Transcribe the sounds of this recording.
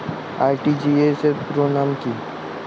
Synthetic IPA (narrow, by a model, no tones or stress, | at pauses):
aːjʈid͡ʒiesepɾoːɽaːmki